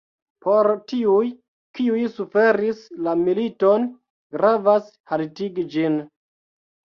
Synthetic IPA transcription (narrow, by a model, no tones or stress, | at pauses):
poɾtiuj | kiujsufe̞ɾislamilito̞n | ɡɾavas | haltiɡid͡ʒin